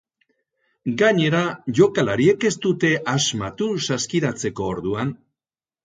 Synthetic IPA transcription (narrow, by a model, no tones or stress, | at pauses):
ɡaɲe̞ɾaʝo̞kalaɾie̞ke̞st̪ut̪e̞ʔazmat̪usaskiɾat͡se̞ko̞ːɾðuan